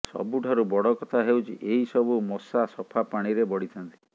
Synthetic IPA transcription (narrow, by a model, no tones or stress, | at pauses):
sɔ̰buʈʰaɾubɔɽɔkɔt̪ʰaɦewt͡ʃʰiʔeɦisɔbumɔsasɔpʰapaɽ̃iɾebɔɽit̪ʰɔnt̪i̥